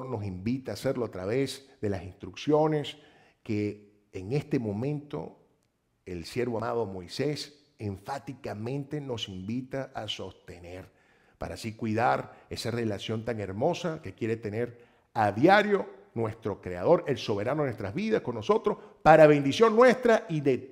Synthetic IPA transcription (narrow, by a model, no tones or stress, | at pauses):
no̞simbit̪aːse̞ɾloat̪ɾaβezðe̞lasinst̪ɾuksjo̞ne̞s | keː | ŋe̞st̪e̞mõ̞mẽnt̪o̞̰ | elsje̞ɾβoamað̞o̞mo̞jse̞s | eɱfat̪ikamẽ̞nt̪e̞no̞simbit̪aʔaso̞st̪e̞ne̞ɾ | pa̰ɾasikwiðaɾe̞sare̞lasjo̞nt̪aŋe̞ɾmo̞sake̞kje̞ɾe̞t̪e̞ne̞ɾ | aðjaɾjo̞ | nwe̞st̪ɾo̞kɾeað̞o̞ɾe̞lso̞β̞e̞ɾanoenwest̪ɾazβiðasko̞nːo̞so̞t̪ɾo̞spaɾaβe̞nd̪isjo̞nnːwe̞st̪ɾaʔiðe